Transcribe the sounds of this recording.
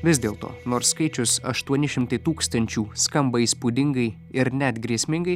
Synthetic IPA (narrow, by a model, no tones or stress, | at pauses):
ʋʲɪs̬ʲd̪ʲeːlˠt̪o̰ːnoːɾsːkɐɪt͡ʃʲʊsɐ̰ʃt̪uɔnʲɪʃʲɪmt̪ɐɪt̪uːkst̪ɐnʲt͡ʃʲuːskɐmbɐiːspud̪ʲɪŋɡɐɪ | ɪɾnʲɛt̪ɡɾʲiɛsʲmʲɪŋɡɐɪ